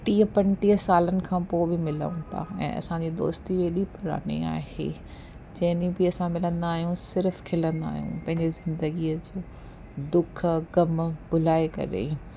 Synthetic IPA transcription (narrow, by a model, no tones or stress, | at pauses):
ʈiːəpɐ̃ɳʈiːəsaːlənɪ̆kʰãːpoːbɪmɪlə̰ũt̪ʰa̰ɛ̰̃ːɐ̰sãd͡ʑiːd̪o̰ːst̪ieːɗipʊɾa̰ːnḭa̰ːhḛː | d͡ʑɐɦɪnĩbɪɐsãmɪlə̃nd̪aːɦijũsɪɾfkʰɪlə̃nd̪a̰ːɦijṵ̃pɐ̃ɦɪ̃ɲd͡ʑezɪ̃nd̪əɡiəd͡ʑoː | d̪ʊkʰɡɐmɓʊlaːekɐ̰ɾḛ